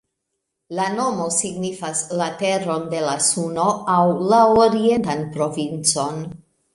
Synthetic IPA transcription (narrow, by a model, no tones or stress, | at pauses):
lano̞mo̞siɡnifaslate̞ro̞nde̞lasuno̞awlaoɾie̞ntanpɾo̞vint͡so̞n